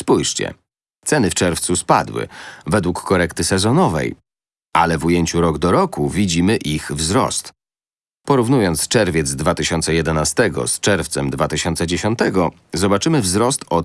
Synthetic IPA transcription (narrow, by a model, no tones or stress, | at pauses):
spujʂt͡ɕɛ̰ | t̪sɛnɘft͡ʂɛɾft̪suspa̰d̪wɘ̰vɛd̪wukːɔɾɛkt̪ɘsɛzɔnɔvɛ̰j | a̰lɛvujeɲt͡ɕuɾɔɡd̪ɔɾɔkuvʲid͡ʑimɘʔixvzɾɔ̰st̪ | pɔɾuvnujɔnt̪st͡ʂɛɾvʲjɛd̪zd̪vat̪ɘɕɔnt̪sɛjɛd̪ɛnast̪ɛɡɔ̰st͡ʂɛɾft̪sɛmd̪vat̪ɘɕɔnt̪sɛd͡ʑeɕɔnt̪ɛɡɔ | zɔbat͡ʂɘmɘvzɾɔst̪ɔ